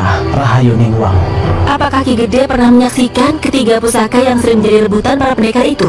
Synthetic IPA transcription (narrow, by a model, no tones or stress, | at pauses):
raɦajoniŋuwa̰ŋʔapakahkiɡədɛpərnahməɲaksikankət̪iɡapusakajaŋsəɾɪŋməɲd͡ʒadiɾəbut̪anpaɾapənekaʔit̪u